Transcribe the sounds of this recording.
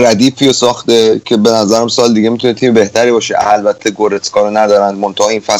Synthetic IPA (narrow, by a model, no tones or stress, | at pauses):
ɾæd̪iːpʰːijosɒːχt̪ecʰe̞be̞næzæɾæmsɒːld̪iɡemit̪unet̪ʰiːmebe̞ht̪æɾiːbɒːʃeælbæt̪ʰːe̞ɡoɾet̪ʰkʰɒːɾonæd̪ɒːɾænd̪̚mont̪ʰɑhɒiːnfæ